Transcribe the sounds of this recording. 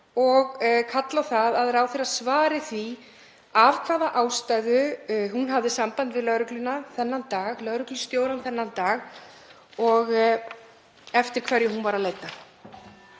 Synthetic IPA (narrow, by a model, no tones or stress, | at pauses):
ɔɣkʰat̪lawθaðaðɛɾawθeɾaðsvaːɾɪθvi | avkʰvaːðaʔaːwst̪ajɣʏhunɦavðɪsampant̪vɪðlœɣɾʏklʏnːaθɛnːant̪aːɣlœɣɾʏklʏst̪joːwɾanθɛnːant̪aːɣ | ɔɣ | ɛft̪ɪɾ̥kʰvɛɾjɪhunvaɾaðleːjt̪na